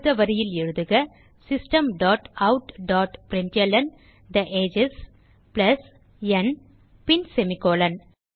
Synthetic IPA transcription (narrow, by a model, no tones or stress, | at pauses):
ðɐʋɐɾɪjɪlɛɻɯðɯɣɐ | sɪsʈɐmɖaːʈɐʊʈɖaːʈpɾɪɳʈɐlɐn | d̪ɐʔeːd͡ʒɪs | plɐs | ɛn | pɪnsɛmɪkːoːlɐn